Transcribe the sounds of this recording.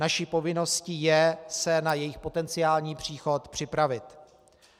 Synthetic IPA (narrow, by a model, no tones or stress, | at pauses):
naʃipo̞vɪno̞sciːjɛsɛnajɛjɪxpo̞t̪ɛnt͡sɪaːlɲiːpr̝̥iːxo̞t̪pr̝̥ɪpɾavɪt̪